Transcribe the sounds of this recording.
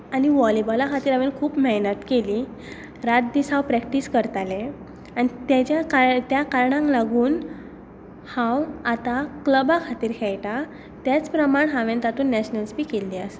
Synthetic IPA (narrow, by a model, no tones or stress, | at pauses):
añiʋɔlibɔlakʰat̪iːɾaʋẽnkʰuːpmɛnət̪keli | ɾat̪̚d̪isãwpɾɛkʈiːskəɾt̪alẽ | añit̪jat͡ɕjakat̪jakaɾɳãŋklaɡuːn | hãwat̪akləbakʰat̪iːɾkʰɛjʈa | t̪jat͡spɾəmaɳɦaʋẽnt̪at̪uːnːɛɕnəlspiːkelːias